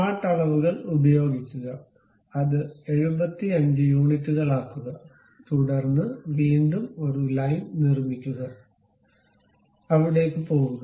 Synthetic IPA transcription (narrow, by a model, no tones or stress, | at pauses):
aːt̪ɐɭɐʋuɣɐɭubɐjo̞ːɡikʲːuɣɐ | ɐðɨe̞ɻubɐt̪ːiɐɲd͡ʑɨjuːɳitːuɣɐɭaːk̪ːuɣɐ | t̪uɽɐrnːɨʋiːɳɖumo̞ɾulɐjnnirmikʲːuɣɐ | ɐʋiɽe̞ːkːɨpo̞ːɣuɣɐ